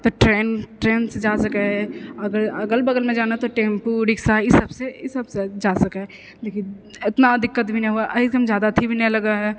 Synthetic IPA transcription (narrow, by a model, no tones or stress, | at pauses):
t̪oʈɾeːnʈɾeːnsd͡ʒaːsɐkeɦɛɐɡəɾɐɡəlbɐɡəlmẽd͡ʒaːnat̪oʈẽːmpuɾɪksaɪsəbseɪsəbsed͡ʒaːsɐka | d̪ekʰi | ɪt̪nad̪ɪkːət̪bʱinɐ̃ɦuaʔɐikɐmd͡ʒjaːd̪at̪ʰibʱinɛ̃lɐɡaɦɛ